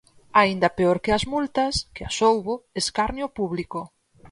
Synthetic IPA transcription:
aind̪ɐpeoɾkɪazmult̪ɐskeasowβoeskaɾnjopuβliko

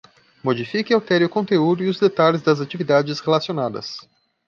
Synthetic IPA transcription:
mod͡ʒifikɪawt̪ɛɾiʊkõt̪eud̪ʊɪʊzd̪et̪alɪzd̪ɐzat͡ʃivid̪ad͡ʒɪshelasionad̪ɐ̰s

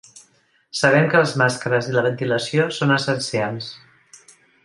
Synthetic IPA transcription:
səβ̞ɛmkəlˠzmaskəɾəziləβ̞ənt̪iləsiosonəsənsians

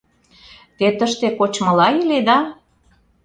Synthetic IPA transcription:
t̪et̪əʃt̪ekot͡ɕmɤ̆lɑjiled̪ɑ

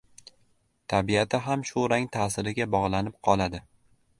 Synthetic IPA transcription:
t̪ʰabiat̪ʰɪɦamʃʊɾaŋt̪ʰasɪɾɪɡʲabɒʁlˠanɪp̚qʰɒlˠad̪ɪ

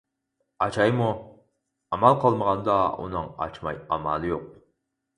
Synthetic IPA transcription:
ɑt͡ʃʰɑjmu | ɑmɑlˠqʰəlˠməʁɑnd̪ɑṵnɨŋɑ̰t͡ʃmɑ̰jɑmɑlˠɨjoq̚

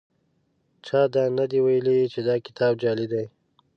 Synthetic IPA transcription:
t͡ʃɑːd̪ɑnad̪iwajlit͡ʃed̪ɑːkɪ̥t̪ʰɑbd͡ʒɑːlid̪aj

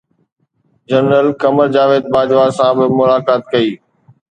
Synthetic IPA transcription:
d͡ʑənɾəlkɐməɾd͡ʑaːʋeːd̪̚baːd͡ʑʋasãbɪmʊlaːkaːt̪kɐiː

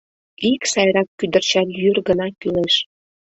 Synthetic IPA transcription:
iksɑjɾɑkːyd̪ərt͡ɕɑt̪jyrɡənɑkyleʃ

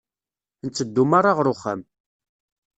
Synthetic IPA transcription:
nt͡sːəd̪ːumaɾˤaʁɾʊχə̰m

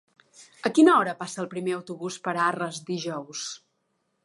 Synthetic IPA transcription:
əkinəɔɾəpasəːlˠpɾimeəwt̪uβuspəɾarəzd̪iʒɔws

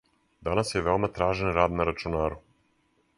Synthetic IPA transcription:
d̪anasjeʋeomat̪ɾaːʒenɾaːd̪naɾat͡ʃunaːɾu

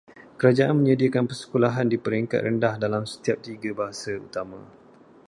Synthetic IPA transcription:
kəɾad͡ʒaʔanmə̃ɲadiakanpərsə̥kulaɦandipəɾiŋka̰t̪̚rəndahdalamsə̥t̪iap̚t̪iɡabaɦasaṵt̪amã

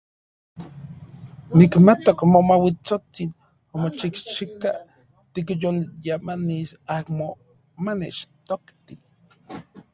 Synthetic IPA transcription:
nikmat̪okmomawit͡sot͡sin | omot͡ʃikʃika | t̪ikjoljamanisakmo | manet͡ʃt̪okt̪i

